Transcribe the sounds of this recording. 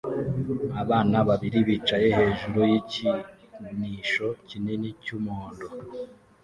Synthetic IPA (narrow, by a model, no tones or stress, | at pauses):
aβaːnaβaβiɾiβiːt͡ʃaje̞he̞ːʒuɾojici | niːʃo̞cinenicumoːndo